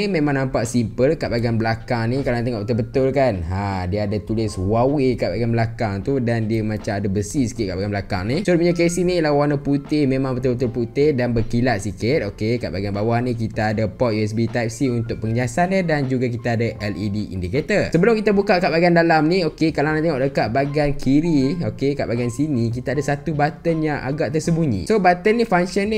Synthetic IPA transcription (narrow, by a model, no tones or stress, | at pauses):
mẽmãŋnampaʔsimpəlkaʔbaɡianbəlakaŋnĩkalant̪əŋɔʔbət̪əbət̪ʊlkanɦadiəadat̪ulɪswawɪkaʔbaɡianbəlakaŋt̪udandiəmãt͡ʃamadabəsisi̥kɪt̪̚kaʔbaɡanbəlakaŋnisuɾʊt̪̚muɲak̬esinilawanəput̪ɪhmemaŋbət̪ʊbət̪ʊlput̪ɪhdanbəkilat̪̚sikɪt̪̚okeka̰ʔbaɡianbawahnĩk̬it̪aːdapɔt̪̚juɛs̬bit̪ajp̚siunt̪ʊk̚pəŋəɲasanədand͡ʒuɡak̬it̪aːdaʔɛlidiḭndiket̪əlsəbəlʊmkit̪abukaʔkaʔbaɡiandalamniokekalanãnt̪iŋɔʔ̚dəkaʔ̚baɡankʰiɾiokeka̰ʔbaɡiansinik̬it̪aadasat̪ubat̪ənjaŋʔa̰ɡaʔt̪ərsəbuɲḭ̃sobat̪ənifaŋsənːi